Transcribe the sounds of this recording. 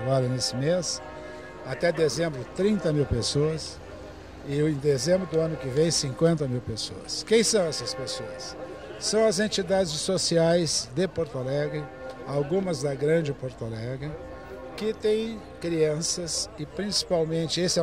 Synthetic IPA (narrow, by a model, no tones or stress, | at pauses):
balʊnesɪmes | at̪ɛd̪ezẽmbɾʊt̪ɾĩnt̪ɐmiwpesoɐs | ɪẽj̃d̪ezẽmbɾʊd̪ʊɐ̃nʊkɪvẽj̃sĩŋkwẽnt̪ɐmiwpeso̰ɐ̰skẽj̃sɐ̃w̃ɛsɐspesoɐsː | ɐ̃w̃ɐzẽnt͡ʃid̪ad͡ʒɪsːosiajzd̪epoɾt̪olɛɡɾɪ | awɡũmɐzd̪ɐɡɾɐ̃d͡ʒɪpoɾt̪olɛɡɪ | kɪt̪ẽj̃ | kɾiɐ̃sɐsɪpɾĩsi̥pawmẽnt͡ʃɪesɪɛ